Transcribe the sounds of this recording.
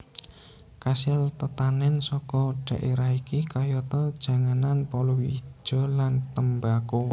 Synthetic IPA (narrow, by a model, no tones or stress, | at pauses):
kasɪlt̪ət̪anɛnsɔkɔɖ̥ä̤ʔeɾahikikajɔt̪ɔd̥ʒ̥ä̤ŋananpɔluwi̥ʒ̥ɔ̤lant̪əmbako